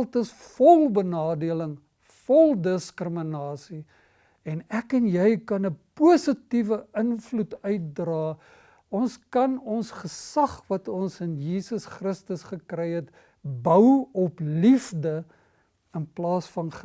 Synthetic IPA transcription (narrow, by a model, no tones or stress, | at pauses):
lˠtəsfɔlˠbənɑːdiələŋ | fɔlˠdəskrəmənɑːsi | ɛnækɛnjɛjkɐnəpuəsətivəənflutœɥt̚drɑː | ɔnskɐnɔnsχəsɐχvɐtɔnsənjiːsəsχrəstəsχəkrɛjɦət | bəwɔplifdə | ənplɑːsfɐnχ